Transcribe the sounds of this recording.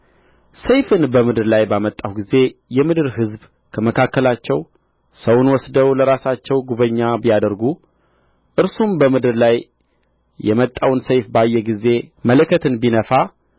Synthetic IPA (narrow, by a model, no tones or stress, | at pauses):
səjfɨnbəmɨd̪ɨɾlajbamət̪ʼːawɡize̞jɛmɨd̪ɨɾɦɨzb | kʰəməkʰakːəlat͡ʃːɛw | səwʊnwɔsd̪əwləɾasat͡ʃːɛwɡuβəɲːabijad̪əɾɡu | ʔɨɾsumbəmɨd̪ɨɾlaj | jɛ̰mət̪ʼːawnsəjfbajːɛɡize̞mələkʰːət̪ʰɨnbinəfa